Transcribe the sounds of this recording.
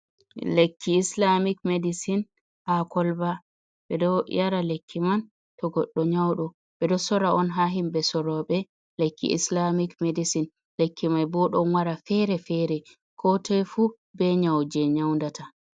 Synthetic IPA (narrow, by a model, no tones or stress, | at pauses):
lekʰːiːslamikmedisin | hakɔlba | ɓɛdɔjaɾalekʰːiman | tɔɡɔɗːɔɲawɗɔ | ɓɛdɔsɔɾaɔnɦaɦimbɛsɔɾɔɓɛ | lekʰːḭʔḭslamikmedisin | lekːimajbɔɗɔnwaɾafɛɾɛfɛɾɛ | kʰɔtʰɛjfu | bɛɲawd͡ʒɛɲawndatʰa